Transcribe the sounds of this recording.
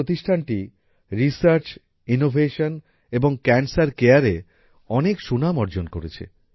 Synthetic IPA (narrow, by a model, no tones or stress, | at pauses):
ot̪iʃʈʰanʈi | ɾisaɾt͡ɕ | inobʱeʃon | eboŋkɛnsaɾkeaɾe | ɔnekʃunamɔɾd͡ʑonkoɾet͡ɕʰḛ